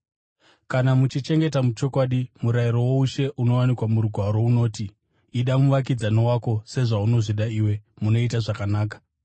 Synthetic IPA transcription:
kanamut͡ʃit͡ʃe̞ŋɡe̞tamut͡ʃo̞kwaɗimuɾaiɾo̞wo̞uʃe̞ʔuno̞wanikwamuɾuɡʱwaɾo̞uno̞ːtiː | ɗamuʋak̬id͡zanowako̞se̞ʐauno̞ʐiɗaiːwe̞muno̞itaʐakanaːkḁ

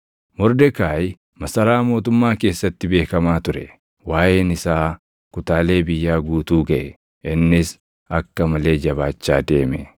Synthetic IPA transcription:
mɔɾd̪ɛkaːj | mɐsɐɾaːmo̞ːt̪ʊmːaːke̞ːsːɐt̪ːɪbe̞ːkɐmaːt̪ʊɾɛ | waːjeːnɪsaː | kʊt̪aːle̞ːbɪjːaːɡuːt̪uːɡɐʔɛ | ʔɪnːɪs | ɐkːɐmɐle̞ːd͡ʒɐβaːt͡ʃːa̰ːd̪e̞ːmɛ

